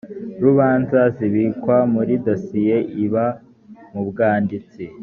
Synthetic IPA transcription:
ɾuβaːnzaziβiːkwamuɾidosijeʔiβa | mubɡaːndit͡si

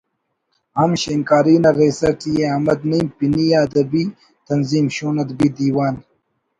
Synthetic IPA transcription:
hɐmɕeŋkaːɾiːnɐɾeːsɐkijeɐmɐd̪nimpinijaːd̪ɐbiː | t̪ɐnziːmɕoːnɐd̪bid̪iːwaːn

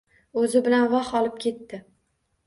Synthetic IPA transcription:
ɵzɪbɪlanvɑχɒlˠɪp̚kʲʰe̞t̪ːɪ

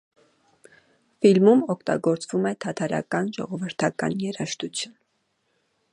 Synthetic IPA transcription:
filmumɔkʰt̪ɑ̰ɡɔɾt͡svumɛt̪ʰɑt̪ʰɑɾɑ̰kɑnʒɔ̰ʁɔvəɾt̪ʰɑkɑ̰njɛɾɑʃt̪ut͡sʰjun

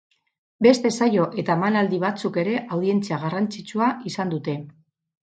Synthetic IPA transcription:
be̞st̪e̞sajo̞ʔe̞t̪amanald̪iβ̞at͡suke̞ɾe̞ʔawðie̞nt͡siaɣarant͡sit͡suaisand̪ut̪e̞

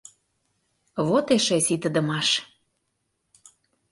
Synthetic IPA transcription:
βot̪eʃesit̪əd̪ə̆mɑʃ

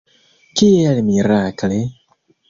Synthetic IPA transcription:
kialimiɾakle

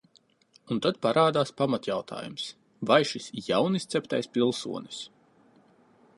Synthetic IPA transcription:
unt̪at̪̚paɾaːd̪aːspamat̪jawt̪ʰa̰ːjums | vajʃisjawnist̪sɛp̚t̪ajspilˠsṵɔni̥s

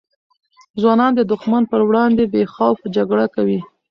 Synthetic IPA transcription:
zwɑnɑnd̪əd̪ʊxmanpəɾwɽɑnd̪ebexawfd͡ʒaɡɽakawi

